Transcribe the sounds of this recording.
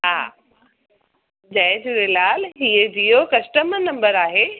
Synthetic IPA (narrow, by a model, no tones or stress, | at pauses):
ɦa̰ː | d͡ʑɐ̃ɦɪ̃d͡ʑuɾelaːlɦiːəd͡ʑiːokɐsʈəmnɐ̃mbəɾaːɦeː